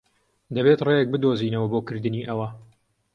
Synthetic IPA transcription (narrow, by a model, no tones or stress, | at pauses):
d̪ɐbeːt̪rejɛk̚bɨd̪oziːnɐwɐboːkɨɾd̪ɨniːʔɐwɐ